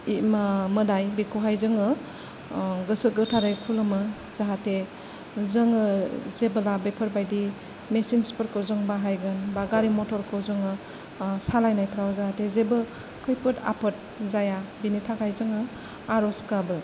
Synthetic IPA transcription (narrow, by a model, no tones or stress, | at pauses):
imɯdajbikʰuɦajzɯŋɯ | ɡɯsɯɡɯtʰaɾajkʰulɯmɯ | zaɦate | zɯŋɯzebəlabepʰɯɾbajdi | mesinspɯɾkʰɯwzɯŋbaɦajɡɯnbaɡaɾimɔtʰɔɾkʰɯwzɯŋɯ | salajnajpʰɾawzaɦatezebɯ | kʰɯjpʰɯta̰pʰɯt̚ | zajabinitʰakʰajzɯŋɯ | aɾɔskabɯ